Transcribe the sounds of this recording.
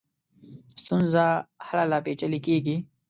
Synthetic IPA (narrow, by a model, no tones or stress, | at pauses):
st̪unzahalalaːpeːt͡ʃəlikeːɡi